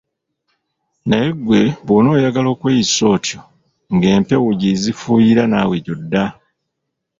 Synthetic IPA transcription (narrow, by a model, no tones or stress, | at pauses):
najeɡwe̞βono̞ːjaɡalo̞ːkweːjiso̞ːtʰjo̞ | ŋɡe̞ːmpe̞wuɟizifuːjiɾanaweɟo̞dːa